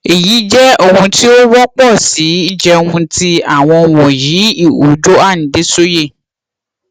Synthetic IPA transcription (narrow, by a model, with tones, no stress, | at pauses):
e˨ji˨˦d͡ʒɛ˦o˦˨wũ˧ti˦o˦wɔ˦k͡pɔ˦˨si˨˦i˦d͡ʒɛ˧ũ˧ti˦a˨w̃ɔ̃˧wɔ̃˨ji˨˦i˦˨u˨˦d͡ʒo˦a˦˨ñ̩˨de˦so˦je˦˨